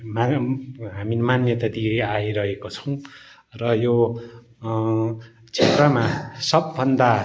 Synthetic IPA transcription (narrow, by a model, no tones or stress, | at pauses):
maɦamimanjʌt̪ʌd̪iajɾʌɦekot͡sʰʌ̥w̃ | rʌjo | t͡sʰet̪rʌmasʌbːʌnd̪a